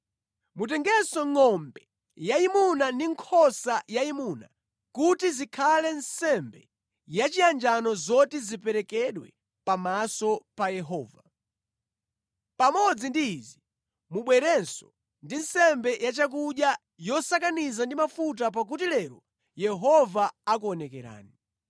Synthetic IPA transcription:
mutɛŋɡɛsɔŋɔmbɛ | jaimunandiŋkʰɔsajaimuna̰ | kutizikʰalɛnsɛmbɛ | jat͡ʃiand͡ʒanɔzɔtizipɛɾɛkɛɗwɛ̰ | pamasɔpajɛɦɔːva | pamɔd͡zindiːzi | muɓwɛɾɛnsɔ | ndinsɛmbɛjat͡ʃak̬uɗja | jɔsakanizandimafut̬ap̬ak̬utilɛɾɔ | jɛɦɔvaakuɔnɛkɛɾa̰ːni

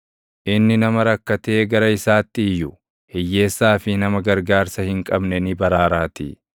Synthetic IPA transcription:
ʔɪnːɪnɐmɐɾɐkːɐt̪e̞ːɡɐɾɐɪsaːt̪ːɪːjːʊ | hɛjːe̞ːsːaːfɪnɐmɐɡɐɾɡaːɾsɐhɪŋkʼɐbnɛnɪbɐɾaːɾaːt̪ḭ

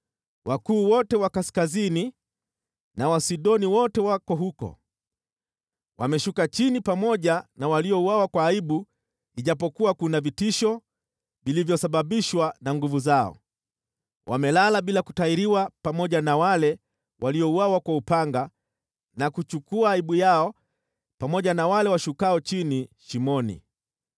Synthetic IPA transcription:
wʔakuːwɔtɛwakaskazini | nawasiɗɔniwɔtɛwakɔɦukɔ̰ | wʔa̰mɛʃukat͡ʃinipamɔʄanawaliɔuwawakwaːiɓu | liʄapɔkuwakunavitiʃɔ | vilivjɔsaɓaɓiʃwanaŋɡuvuzaɔ̰ | wʔa̰mɛlalaɓilaku̥taiɾiwapamɔʄanawalɛ | wʔaliɔuwawakwaupaŋɡa | nakut͡ʃukuaːiɓujaɔ | pamɔʄanawalɛwaʃukaɔt͡ʃiniʃimɔnḭ

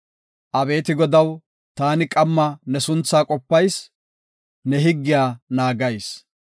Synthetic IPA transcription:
ʔɐbe̞ːt̪ɪɡɔd̪ɐw | t̪aːnɪkʼɐmːɐnɛsʊnt͡sːaːkʼɔpːɐjs | nɛɦɪɡːɪjaːnaːɡɐjs

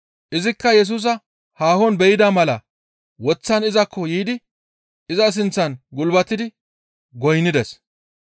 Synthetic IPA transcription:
ʔɪzɪkːɐjɛs̬uːs̬ɐ | haːhɔnbɛjɪd̪ɐmɐlɐ | wɔt͡sːɐnɪzɐkʰːɔjiːd̪ɪ | ɪzɐs̬ɪnt͡sːɐnɡʊlbɐt̪ːɪd̪ɪ | ɡɔjnːɪd̪ɛs

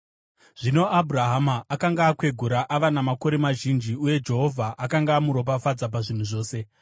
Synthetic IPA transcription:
ʐ̥ino̞abʱuraɦamaːkaŋɡaːkwe̞ɡʱuɾaʔaʋanamako̞ɾe̞maʒind͡ʒiuje̞d͡ʒe̞ɦo̞vʱaʔakaŋɡaːmuɾo̞p̬afad͡zap̬aʐin̤uʐo̞ːse̞

